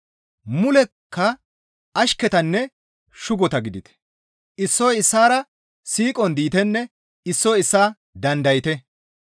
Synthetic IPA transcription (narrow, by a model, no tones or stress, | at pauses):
mʊlɛkʰːɐ | ɐʃkɛt̪ɐnːɛ | ʃʊɡɔt̪ɐɡɪd̪ɪt̪ɛ̥ | ʔɪsːɔjɪsːaːɾɐ | siːkʼɔnd̪iːt̪ɛnːɛ | ɪsːɔɪsːaː | d̪ɐnd̪ɐjɪt̪ɛ